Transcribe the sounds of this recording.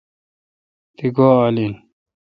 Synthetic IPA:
t̪iɡoːalin

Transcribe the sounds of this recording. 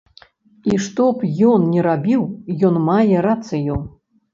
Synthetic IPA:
iʂt̪ɔpjɔnnʲɛɾabʲiwjɔnmajɛɾat̪sɨju

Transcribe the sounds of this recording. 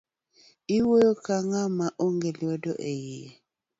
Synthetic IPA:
iwojɔkaŋamaʔoŋɡɛliɔdɔ̰ʔejiɛ

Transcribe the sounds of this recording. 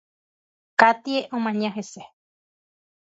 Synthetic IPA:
kat̪ieʔomãɲãɦese

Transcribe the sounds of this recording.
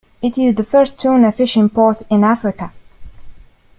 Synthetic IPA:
ɪtɪzðəfɜ˞stʰũnə̥fɪʃɪ̃mpʰɔɹtɪ̃næfɹɪkə

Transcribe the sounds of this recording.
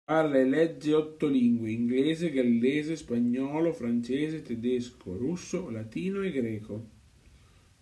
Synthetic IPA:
aɾaelɛd͡ʒːeɔt̪ːoliŋɡweiŋɡleːzeɡalːɛːzespaɲːɔːlofɾant͡ʃɛːzet̪ed̪esko̰ɾusːolat̪iːnoeɡɾɛːko

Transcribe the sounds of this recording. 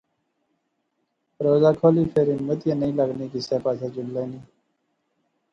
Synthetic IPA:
ɾoːzaːkʰoːliːfʰeːɾinmət̪jẽːnəĩːləɡniːkiseːpaːt͡ʃʰeːd͡ʒʊmlaːniː

